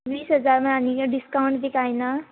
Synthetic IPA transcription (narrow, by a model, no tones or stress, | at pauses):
biːsɦʌd͡zarmaɦamiɖiskawɳʈd̪ekʰajnʌ